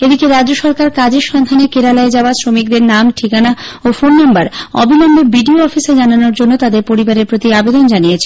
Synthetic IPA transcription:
ed̪ikeɾad͡ʑd͡ʑoʃɔɾkaɾkad͡ʑeɾʃɔnd̪ʱanekeɾalaed͡ʑaoasɾomik̚d̪eɾnamʈʰikana | ofonːambaɾɔbʱilɔmbʱebiɖioɔfised͡ʑananoɾd͡ʑonːot̪ad̪eɾpoɾibaɾeɾpɾot̪iabed̪ond͡ʑanijet͡ɕʰe

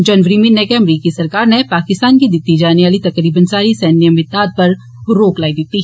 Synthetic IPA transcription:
d͡ʒɐnʋəɾimenːekeɐmɾiːkisɐɾkaːɾnepaːkɪst̪aːnkid̪ɪt̪ːid͡ʒaːneʋaːlit̪ɐkɾiːbənsaːɾisɛːnjəmɪt̪aːd̪̚pɐɾː | oːklaːid̪ɪt̪ːi

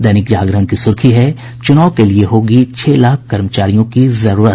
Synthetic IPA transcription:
d̪ɛːnɪkd͡ʒaːɡɾəɦənkisʊɾkʰiɦɛ | t͡ʃʊnaːʊkelieɦoːɡit͡ʃʰeːlaːkʰkɐɾmət͡ʃaːɾijõkizɐɾuːɾət̪̚

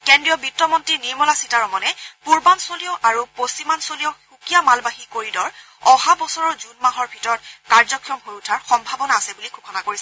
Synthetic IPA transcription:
kɛndɹijɔbitːɔmɔntiniɹmɔlasitaɹɔmɔnɛpuɹbansoliɔʔaɹuposimansolijɔxukijamalbaɦikoɹidɔɹ | ɔhabɔsɔɹɔɹzunmaɦɔɹbʱitɔɹɔtkaɹzɔkʰːiɔmɦojutʰaɹxɔmbʱabɔnaːsɛbulikʰukʰɔnakoɹisɛ

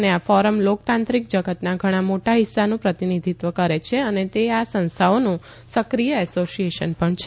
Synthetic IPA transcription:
neafɔɾəmlok̚t̪ãnt̪ɾik̚d͡ʒəɡət̪naɡʱəɽ̃ãmoʈaɦɪsːanũpɾət̪inid̪ʱit̪ʋəkəɾet͡ʃʰeənet̪easə̃ñst̪ʰaonũ | səkɾijəɛsoʃijeʃənpəɳt͡ʃʰe

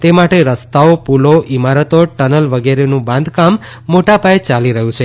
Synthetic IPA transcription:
t̪emaʈeɾəst̪aopuloʔimaɾət̪oʈənəlʋəɡeɾenũbãnd̪kamː | oʈapajet͡ʃaliɾəɦũt͡ʃʰe

